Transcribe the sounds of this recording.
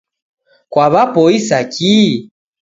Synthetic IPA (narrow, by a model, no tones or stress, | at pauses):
kwaβapɔisaki